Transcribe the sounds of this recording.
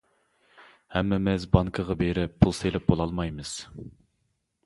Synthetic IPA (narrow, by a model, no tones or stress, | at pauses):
hɛmːɪmɪzbɑŋkʰəʁɑbeɾɪppʰulˠselɛp̚bolˠɑlˠmɑjmɨz̥